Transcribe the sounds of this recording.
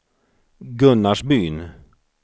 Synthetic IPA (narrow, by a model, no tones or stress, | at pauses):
ɡɵnːaʂbyːn